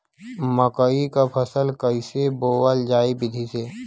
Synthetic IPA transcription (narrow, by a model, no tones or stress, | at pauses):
məkəikapʰəsəlkəiseboːwəld͡ʒaːibɪd̪ʱise